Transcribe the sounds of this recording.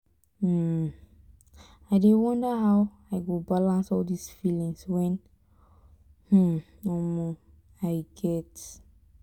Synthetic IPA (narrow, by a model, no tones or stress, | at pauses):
aɪdewɔ̃ndəɦaw | aɪɡobalãnsɔldisfilĩŋswɛ̃n | hm̩ | ɔmɔ | aɪɡɛt